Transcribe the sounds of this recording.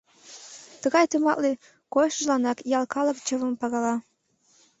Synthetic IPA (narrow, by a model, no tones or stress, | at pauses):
t̪əɣɑjt̪umɑʔle | kojʃəʒlɑnɑkjɑlkɑlɤkt͡ɕəβə̆mpɑɣɑlɑ